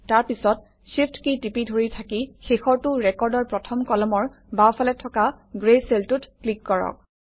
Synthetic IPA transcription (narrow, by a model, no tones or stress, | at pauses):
taɹpisɔt̚ | sipʰtkitipidʱoɹitʰakixexɔɹtʊɹɛkɔɹdɔɹpɹɔtʰɔmkɔlɔmɔɹ | bawfʰalɛtʰɔka | ɡɹejseltutklikːɔɹɔ̰k̚